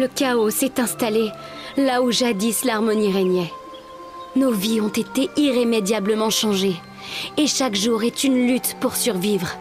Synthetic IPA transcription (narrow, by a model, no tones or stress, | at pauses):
ləkaosɛt̪ɛ̃st̪ale | lauʒad̪islaʁmɔniʁɛɲɛ | noviɔ̃t̪et̪eiʁemed̪jabləmɑ̃ʃɑ̃ʒe | eʃakʒuʁɛt̪ynlyt̪puʁsyʁvivʁ